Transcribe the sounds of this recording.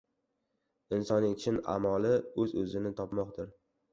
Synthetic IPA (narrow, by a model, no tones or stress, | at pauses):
ɪnsɒnɪŋt͡ʃʰɪna̰mɒlɪɵzɵzɪnɪt̪ʰɒpmɒqd̪ɪɾ